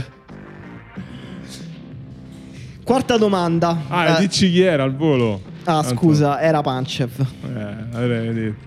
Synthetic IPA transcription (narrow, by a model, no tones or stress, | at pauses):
kwart̪ad̪omand̪aad̪it͡ʃːikiɛːɾalvoːlo | askuːzaɛːɾapant͡ʃɛfɛabɛed̪et̪